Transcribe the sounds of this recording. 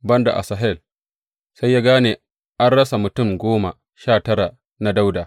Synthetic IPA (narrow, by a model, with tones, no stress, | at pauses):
bɐ˦nda̰˨ʔa̰˨sa˨ɦɛ˦˨l | sa˦jːaː˦ɡaː˦neː˨ | ʔa˦nɽɐ˦sa˨mʊ˨tʊ˦˨mɡʷoː˦ma˨ | ʃaː˦˨tɐ˦ɽa˨ | na˦da˦wda˨